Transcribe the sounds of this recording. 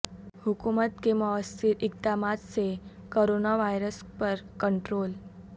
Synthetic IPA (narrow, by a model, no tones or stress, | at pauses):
hukumət̪keməəst̪ʰiɾik̚d̪amat̪t͡se | koɾonaʋajɾəspəɾkəɳʈɾol